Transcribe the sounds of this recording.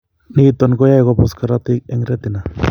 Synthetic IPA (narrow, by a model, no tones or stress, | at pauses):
nit̪onɡojajkoposkaɾat̪ik̚eŋɾet̪ina